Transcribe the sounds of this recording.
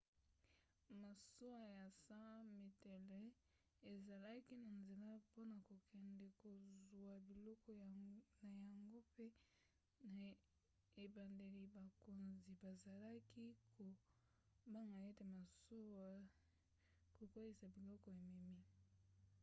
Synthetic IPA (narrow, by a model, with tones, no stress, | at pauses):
ma˨so˦wa˦ja˨sã˦me˨tɛ˨lɛ˦ | e˨za˨la˦ki˦na˨nze˨la˦po˦na˨ko˨kʰɛ˨ndɛ˨ko˨zu˨a˨bi˨lɔ˦kɔ˦na˨ja˨ŋɡo˦pe˦ | na˨ | e˨ba˨nde˨li˨ba˨ko˨nzi˨ba˨za˨la˦ki˦kkʰo˨ | ba˦ŋɡa˨e˦te˨ma˨so˦wa˦ | ko˨kwe˦li˨sa˨bi˨lɔ˦kɔ˨e˨mɛ˨mi˦